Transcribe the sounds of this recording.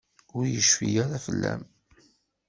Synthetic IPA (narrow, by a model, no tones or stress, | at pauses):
ʊɾjəʃfijaɾafəlːæm